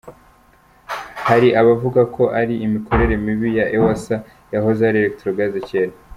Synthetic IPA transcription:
haɾiʔaβavuɡakʰo̞ʔaɾiʔimikʰo̞ɾe̞ɾe̞miβijaʔewasa | jaɦozeaɾeɾektɾoɡazeceːɾa

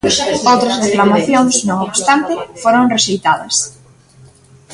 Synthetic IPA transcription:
sowt̪ɾɐzreklamaθjoŋsnõŋoβst̪ant̪ɪfoɾõŋreʃejt̪aðɐ̰s

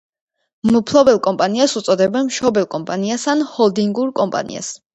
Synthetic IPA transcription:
mupʰlˠɔbɛlˠkʼɔmpʼaniasut̪sʼɔd̪ɛbɛnmʃɔbɛlˠkʼɔmpʼaniasanhɔlˠd̪iŋɡuɾkʼɔmpʼa̰nḭa̰s

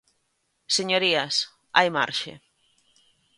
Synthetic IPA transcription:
seɲoɾias | a̰jma̰ɾʃḛ

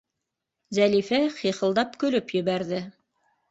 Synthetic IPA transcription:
zælifæχiχɤ̆lˠd̪ɑpkɵ̆lɵpjɘ̆βæɾðɘ

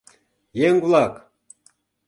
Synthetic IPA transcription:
jeŋvlˠɑk

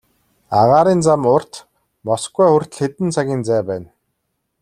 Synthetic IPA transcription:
aʁaːɾiːnt͡samʊr̥t̪ | mɔsɡujxʊr̥ʲt̪ɮxet̪ɘ̆nt͡sʰaɣʲiːnt͡sæːpæːn

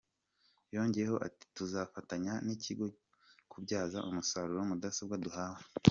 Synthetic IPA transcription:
jo̞ːɲɟejeho̞ʔa̰ti̥tuzafataɲaniciɡo̞ | kʰubɟaːzaʔumusaɾuɾo̞mudasabɡaduhaːha

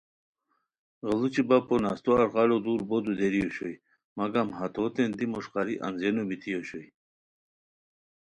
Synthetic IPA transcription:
ʁəlut͡ɕibaponast̪oaɾʁɑlod̪uɾbod̪ud̪eɾijoɕoj | maɡamhat̪ot̪end̪imuʂqɑɾiʔa̰nzenobit̪ʰijoɕoj

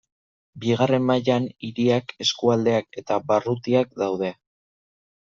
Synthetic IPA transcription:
biɣare̞mːajaniɾiake̞skuald̪e̞ake̞t̪abarut̪iak̚d̪awð̞e̞

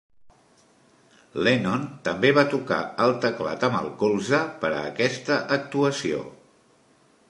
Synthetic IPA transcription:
lenont̪əmbeβat̪uka̰əlˠt̪əkla̰t̪əmə̰lˠkolˠzəpəɾə̰ːkɛst̪əʔək̚t̪uəsio̰

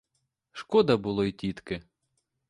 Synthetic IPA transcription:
ʃkɔd̪ɐbʊlˠɔitʲit̪kɪ

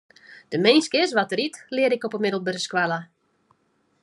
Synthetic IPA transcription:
d̥əmejnskɪsʋatəɾitlɪəɾɪkɔpəmɪdəl̩ˠbərəskwalˠə

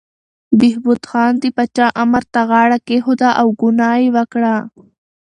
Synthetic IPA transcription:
biɦbut̪xaːnt̪ipɐt͡ɕaːʔɐmɐɾt̪aɣaːɽakeɦud̪aʔɐwɡunaːiʋɐkɽaː

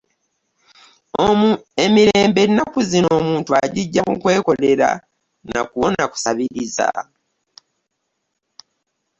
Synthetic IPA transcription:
oemiɾeːmbe̞inakuzino̞ːmuːntuaɟiɟːamukwe̞ːko̞le̞ɾa̰ | na̰kuonaku̥saβiɾiza̰

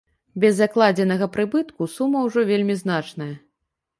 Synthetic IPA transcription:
bʲɛzːaklˠad͡zʲɛnɐɣɐpɾɨbɨt̪kusumːɐwʐɔvʲelʲmʲizn̪at͡ʂnɐjɐ

